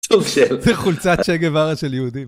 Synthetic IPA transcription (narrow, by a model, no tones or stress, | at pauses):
suɡʃelzɛχult͡saʃeɡevaʁaʃeljeud̪im